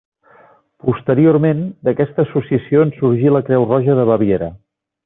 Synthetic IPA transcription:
pust̪əɾioɾmend̪əkɛst̪əːsusiəsioənsuɾʒiləkɾɛwrɔʒəðəβəβ̞jeɾə

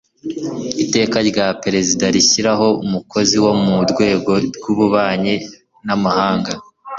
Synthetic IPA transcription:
ite̞ːkaɾɟapeɾe̞zidaɾiçiɾaɦo̞umuko̞ziwo̞muɾɡwe̞ːɡo̞ɾɡuβuβaːɲe | namahaːŋɡa

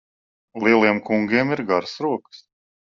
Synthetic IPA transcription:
lˠiɛlˠiɛmkuŋɡʲiɛmiɾɡaɾsɾuɔkɨ̥s

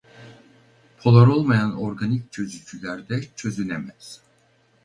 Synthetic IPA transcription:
pʰo̞lˠaɾo̞lˠmajanoɾɡanic̚t͡ʃʰø̞zyt͡ʃʰylʲæɾd̪ɛt͡ʃʰø̞zynemɛz̥

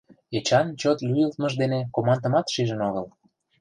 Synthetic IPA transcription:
et͡ɕɑnt͡ɕot̪lʲyjəlt̪məʒd̪enekomɑnd̪ə̆mɑt̪ʃiʒənoɣəl

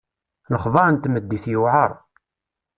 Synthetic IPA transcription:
nəχðˤɑɾənt̪məd̪ːiθjuʕəɾˤ

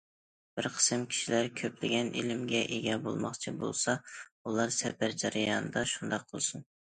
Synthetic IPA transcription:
b̥ɪɾqʰə̥sɨmkʲʰi̥ʃilæɾkʲʰøplɪɡʲɛnʔilɪmɡʲɛʔeɡʲɛbo̰lˠmɑ̰χt͡ʃʰibo̰lˠsɑulˠɑɾsɛbæɾd͡ʒɛɾɨjɑːnɨd̪ɑʃund̪ɑqqʰəlˠsun

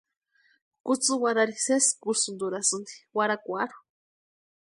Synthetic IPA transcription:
kut͡sɨwaɾaɾiseskusund̪uɾasɨnd̪i̥waɾakʷaɾu̥

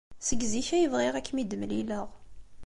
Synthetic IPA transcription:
səɡziçæjəvʁeʁækːmid̪məliləʁ

